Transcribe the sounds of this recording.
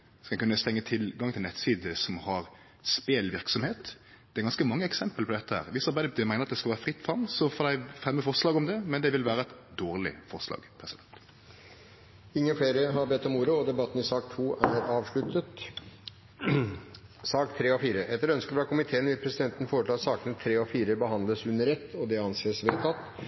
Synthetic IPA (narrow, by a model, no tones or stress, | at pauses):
skɑɛkʉnːəst̪ɛŋːət̪ʰɪlɡɑŋt̪ʰɪlɛt̪siːd̪əsɔmhɑɾ | speːlʋɪɾksɔmheːt̪ | d̪̥ɛæɾɡɑnskəmɑŋːəɛksɛmpəlpɔd̪ɛt̪ːəhæ̰ːɾʋɪsɑɾbæɪd̪əd̪ɛmæɪnəɾɑt̪d̪ɛskɑlʋæːɾəfʁɪt̪ːfʁɑmsɔfɔːd̪æɪfʁɛmːəfɔʁslɑːɡɔmd̪ɛmɛnd̪ɛʋɪlʋæːɾəɛt̪d̪oːʁlɪ̰fɔʁslɑ̰ːɡpʰɾɛsɪd̪ɛnt̪ | ɪŋːəfleːɾəɦɑɾbɛt̪ːɔmuːɾəɔd̪ɛbɑt̪ːn̩ɪsɑːkt̪ʰuːʔæɾɑːʋʂɭʉt̪ət̪ | sɑːkt̪ʰːɾeːɔfiːɾəʔɛt̪ːəɾœnskəfɑkʰʊmɪt̪ʰeːənʋɪlpʰɾɛsɪd̪ɛnt̪n̩foːɾəʈʰl̩ːɑt̪sɑːkənət̪ʰɾeːɔfiːɾəbəhɑnd̪ləsʉnːəɾɛt̪ːɔd̪ɛɑnseːsʋeːt̪ʰɑt̪ː